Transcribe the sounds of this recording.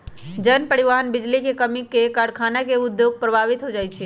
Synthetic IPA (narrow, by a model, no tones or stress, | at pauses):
d͡ʒənpəɽiʋaɦənbid͡ʒlikekəmikːekaɽkʰanakeʊd̪joɡ̚pɾəbʱaʋit̪ɦod͡ʒajt͡ʃʰɛ